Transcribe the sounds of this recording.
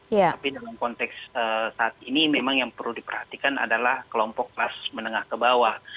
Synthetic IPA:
apidalamkɔnt̪ɛksəsaːt̪̚inimemaŋjaŋpərludipərhat̪ikana̰dalahkəlɔmpɔk̚lasmənəŋahkəbawa

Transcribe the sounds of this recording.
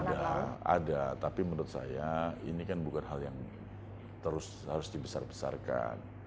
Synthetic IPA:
daa̰dat̪apimənʊt̪̚sa̰jaḭnikanbukanɦaljaŋ | t̪əɾʊs | haɾʊsdibəsa̰rbə̥sa̰rka̰n

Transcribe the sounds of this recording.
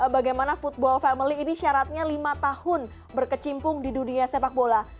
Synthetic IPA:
baɡajmanafut̪̚bɔlfɛməliːniʃaɾat̪̚ɲalimat̪ahʊn | bərkət͡ʃimpʊŋdiduniasepak̚bola

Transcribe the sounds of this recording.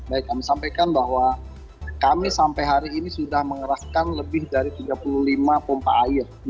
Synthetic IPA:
bajkːamisampajkanbahwa | kamisampajɦaɾiːnisudahməŋəɾahkanləbɪhdaɾit̪iɡapuluhlimapompa̰ʔːjɪr

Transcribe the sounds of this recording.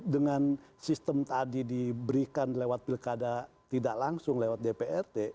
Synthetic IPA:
dəŋansist̪əmt̪adidibəɾikanlewat̪̚pilkada | t̪idaʔlaŋsʊŋlewat̪̚depeɛrt̪e

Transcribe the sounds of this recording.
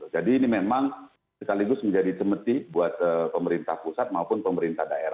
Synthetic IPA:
ʊd͡ʒadiːnimemaŋ | səkaliɡʊsməɲd͡ʒadit͡ʃəmət̪ibuat̪̚əpəməɾint̪ahpusat̪̚maupʊnpəməɾint̪ahdaeɾa

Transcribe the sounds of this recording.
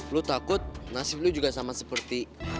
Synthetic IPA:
lut̪akʊt̪̚nasɪf̚lud͡ʒuɡasamasəpərt̪i

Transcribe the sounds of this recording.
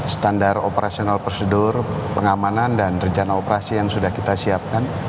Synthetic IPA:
sə̥t̪andaropəɾasionalpərsədʊrpəŋamanandanrəɲt͡ʃanaopəɾasijaŋsudahkit̪asiap̚kan

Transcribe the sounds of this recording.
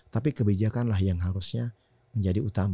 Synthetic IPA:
t̪apikəbid͡ʒakanlahjaŋɦaɾusɲa | məɲd͡ʒadiut̪am

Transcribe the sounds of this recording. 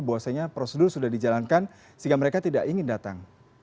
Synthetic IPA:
bawasaɲapɾosedʊrsudahdid͡ʒalankan | siŋɡaməɾekat̪idaʔiŋɪndat̪a̰ŋ

